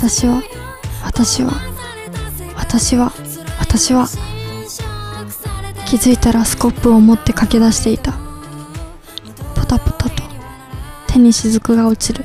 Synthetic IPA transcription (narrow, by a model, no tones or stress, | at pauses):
at̪aɕiβa | βat̪aɕiβa̰ | βat̪aɕiβa | βat̪aɕiβa | kʲizɨit̪aɾasɨ̥ko̞pːɯ̟o̞mo̞t̪ːe̞kake̞d̪aɕi̥t̪e̞it̪a | po̥t̪apo̥t̪at̪o̞̥ | t̪ʰe̞ɲ̟iɕizɨkɯ̟ɡao̞t͡ɕiɾɯ̟